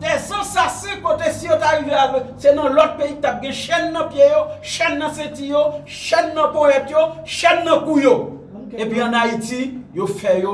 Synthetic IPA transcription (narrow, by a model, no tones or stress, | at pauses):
dɛzãsasɛ̃kot̪esijotaɣiveaɡɛsenɐ̃lɔt̚peit̪ap̚ɡɛ̃ʃɛnːɐ̃pjejoʃɛnːɐ̃setijo | ʃɛnːɐ̃pɔ̃ɛt̪joʃɛnːɐ̃kujo | epɥiɐ̃naitijofɛjo